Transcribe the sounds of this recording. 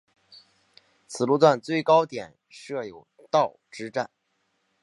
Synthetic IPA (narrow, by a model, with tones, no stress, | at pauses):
t͡sʰɹ̩˨˩lu˥˧t͡swa˥˧nt͡swe˥˩ɪkɑ˥ʊt̪jɛ˨˩˦n | ʂɤ˥˩jo˨˩ʊ | t̪ɑ˥˩ʊʈ͡ʂɻ̩˥ʈ͡ʂa˥˩n